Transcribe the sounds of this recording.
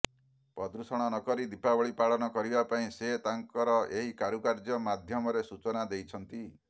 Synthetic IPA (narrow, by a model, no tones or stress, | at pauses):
pɔd̪ɾusɔɽ̃ɔnɔkɔɾid̪ipabɔɭipaɭɔnɔkɔɾibapaĩset̪aŋkɔɾɔʔeɦikaɾukaɾd͡ʒɔmad̪ʱjɔmɔɾesut͡ʃɔnad̪ejt͡ʃʰɔnt̪i